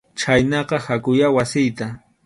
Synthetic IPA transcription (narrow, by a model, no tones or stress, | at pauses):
t͡ʃajnɑqɑhakʊjawasɪjt̪a